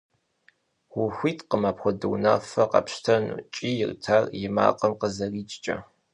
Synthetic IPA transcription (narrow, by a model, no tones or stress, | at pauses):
ʁʷʊxʷiːtʰqəmaːpxʷɔdɨ̰wnafɐqɐ̰pʃtʰɐnṵt͡ʃʼiːjɪrtʰarjɪma̰ːqʼɐmqəzɐriːt͡ʃʼt͡ʃʼɐ̰